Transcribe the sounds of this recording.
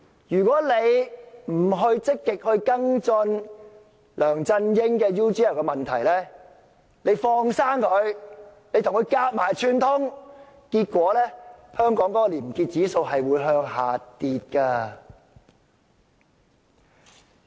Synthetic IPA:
jyː˨˩kʷwʷɔː˨˥le˨˧jm̩˨˩ɦɵ˧ɥt͡sɪ˥kːɪ˨k̚hɵ˧ɥkɐ˥ŋt͡sɵ˧n | lœː˨˩ŋt͡sɐ˧njɪ˥ŋkɛː˧juː˥tiː˥ɛ˨˩wkɛː˧mɐ˨nt̪ʰɐ˨˩jlɛː˥ | ne˨˧jfɔː˧ŋsaː˥ŋkʰɵ˨˧ɥne˨˧jt̪ʰŋkʰɵ˧ɥkaː˧t̚maː˨˩jt͡ʃʰyː˧nt̪ʰʊ˥ŋ | kiː˧t̚kʷɔː˨˥lɛː˥hœː˥ŋkɔː˨˥ŋkɔː˨˥kɔ˨liː˨˩m˨˩kiː˧t̚t͡siː˨˥so˧wɦɐ˨jwuː˨˧˥jɦœː˧ŋhaː˨t̪iː˨t̚kɐː˧

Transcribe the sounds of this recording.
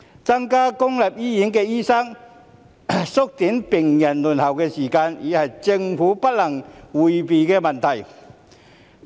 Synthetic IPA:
t͡sɐ˥ŋkaː˥kʊ˥ŋlɛ˨p̚jiː˥jiː˨˥nkɛː˧jiː˥sɐ˥ŋ | sʊ˥k̚t̪iː˨˥npɪ˨˩ŋjɐ˨˩nlu˨˩nhɐ˨˩wkɛː˧siː˨˩kaː˧njiː˨˧hɐ˨jt͡sɪ˧ŋfuː˨˥pɐ˥t̚lɐ˨˩ŋwuː˨jpi˨kɛː˧mɐ˨˩nt̪ʰɐ˨˩j

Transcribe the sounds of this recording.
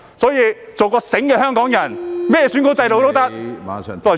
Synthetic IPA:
sɔː˨˥jiː˧t͡so˨wkɔː˧sɪ˨˥ŋkɛ˧hœː˥ŋkɔː˨˥ŋjɐ˨˩nmɛː˥jɛː˨˧sy˨˥ŋko˨˥t͡sɐ˧jt̪o˨wt̪o˥wt̪ɐ˥k̚t̪ɔː˨˩

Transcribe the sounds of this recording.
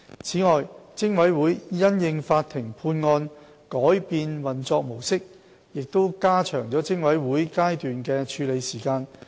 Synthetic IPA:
t͡sʰiː˨˥ŋɔː˨jt͡sɪ˥ŋwɐ˨˥jwuː˨˥jjɐ˥njɪ˧ŋfaː˧t̚t̪ʰɪ˨˩ŋpʰuː˧nŋɔː˧n | kɔː˨˥jpiː˧nwɐ˨nt͡sɔː˧k̚mo˨˩wsɪ˥k̚ | jɪ˨k̚t̪o˥wkaː˥t͡ʃʰœː˨˩ŋt͡sɔː˨˥t͡sɪ˥ŋwɐ˨˥jwuː˨˥jkaː˥jt̪yː˨nkɛː˧t͡ʃʰyː˨˧le˨˧jsiː˨˩kaː˧n

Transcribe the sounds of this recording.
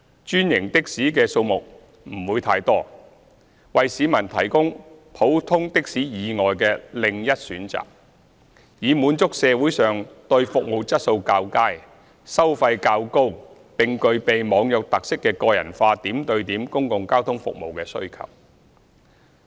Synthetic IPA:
t͡ʃyː˥njɪ˨˩ŋt̪ɪ˥k̚siː˨˥kɛː˧so˧wmʊ˨k̚ | m̩˨˩wuː˨˧jt̪ʰaː˧jt̪ɔː˥ | wɐ˨jsiː˨˧mɐ˨˩nt̪ʰɐ̰˨˩jkʊ˥ŋpʰo˨˥wt̪ʰʊ˥ŋt̪ɪ˥k̚siː˨˥jiː˨˧ŋɔː˨jkɛː˧lɪ˨ŋjɐ˥t̚syː˨˥nt͡sa̰ː˨k̚ | jiː˨˧muː˨˧nt͡sʊ˥k̚sɛː˨˧wuː˨˥jsœː˨ŋt̪ɵ˧ɥfʊ˨k̚mo˨wt͡sɐ˥t̚so˧wkaː˧wkaː˥j | sɐ˥wfɐ˧jkaː˧wko˥w | pɪ˨ŋkɵ˧ɥpe˨jmɔː˨˧ŋjɐ˨k̚t̪ɐ˨k̚sɪ˥kːɛː˧kɔː˧jɐ̰˨˩nfaː˧t̪iː˨˥mt̪ɵ˧ɥt̪iː˨˥mkʊ˥ŋkʊ˨ŋkaː˥wt̪ʰʊ˥ŋfʊ̰˨k̚mo̰˨wkɛː˧sɵ̰˥ɥkʰɐ̰˨w̚

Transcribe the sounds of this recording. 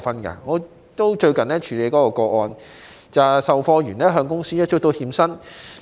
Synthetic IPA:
fɐ˥nkɐ̰˧ŋɔː˨˧ | t̪o˥wt͡ʃɵ˧ɥkɐ˨nɛː˥t͡ʃʰyː˨˧le˨˧jkɔː˨˥kɔː˧kɔː˧ɔː˧n | t͡sɐ˨sɐ˨wfɔː˧jyː˨˩nɛː˥ɦœː˧ŋkʊ˥ŋsiː˥jɐ˥t͡ʃʊ˥k̚t̪o˥˧whiː˧msɐ˥n

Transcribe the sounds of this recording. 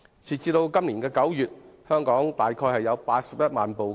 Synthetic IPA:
t͡sʰiː˨˩t͡siː˧t̪o˧wkɐ˥mliː˨˩nkɛː˧kɐ˨˥wjyː˨t̚hœː˥ŋkɔː˨˥ŋt̪aː˨jkʰɔː˧jhɐ˨jːɐ˨˧wpaː˧t̚sɐ˨p̚jɐ˥t̚maː˨npo˨wk

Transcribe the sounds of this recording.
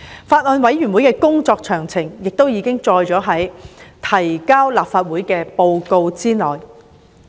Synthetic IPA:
faː˧t̚ɔː˧nwɐ˨˥jɥy˨˩nwu˨˥jkɛː˧kʊ˥ŋt͡sɔː˧k̚t͡ʃʰœː˨˩ŋt͡sʰɪ˨˩ŋjɪ˨k̚t̪o˥wjiː˨˧˥kɪ˥ŋt͡ʃɔː˧jt͡ʃɔː˨˥ɦɐ˨˥jt̪ʰɐ˨˩jkaː˥wlaː˨p̚faː˧t̚wuː˨˥jkɛː˧po˧wko˧wt͡siː˥nɔː˨˩j

